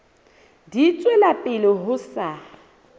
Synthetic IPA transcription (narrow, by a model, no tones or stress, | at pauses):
dit͡sʼwelapʼɪlɔɦʊsa